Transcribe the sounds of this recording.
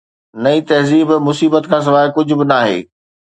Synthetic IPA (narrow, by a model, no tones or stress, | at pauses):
nɐit̪ɐɦziːbmʊsiːbət̪kʰãːs̬ɐʋaːɦɪkʊd͡ʑʱʊ̆bɪnaːɦḛː